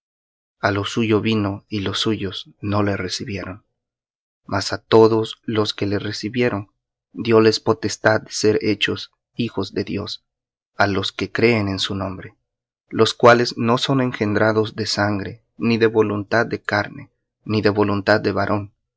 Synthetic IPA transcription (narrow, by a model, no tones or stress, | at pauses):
alo̞suʝo̞βino̞ilo̞sːuʝo̞zno̞le̞re̞siβje̞ɾo̞n | masat̪o̞ðo̞slo̞ske̞le̞re̞siβje̞ɾo̞n | d̪jo̞le̞spo̞t̪e̞st̪ad̪d̪e̥se̞ɾe̞t͡ʃo̞s | ixo̞zd̪e̞ðjo̞̰s | alo̞ske̞kɾe̞ːne̞nsunõ̞mbɾe̞ | lo̞skwale̞zno̞so̞ne̞ŋxe̞nd̪ɾaðo̞zd̪e̞saŋɡɾe̞ | niðe̞βo̞lunt̪ad̪̚ːe̞kaɾne̞ | niðe̞βo̞lunt̪ad̪ːe̞βaɾʔo̞n